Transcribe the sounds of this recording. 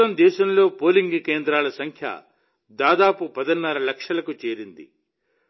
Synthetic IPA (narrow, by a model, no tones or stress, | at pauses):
ɐmd̪ɛːʃɐmlo̞ːpo̞ːliŋɡkeːnd̪ɾaːlɐsɐŋkʰjɐ̰ | d̪aːd̪aːpupɐd̪ɐnːɐɾɐlɐkʂɐlɐkut͡ʃe̞ːɾind̪ḭ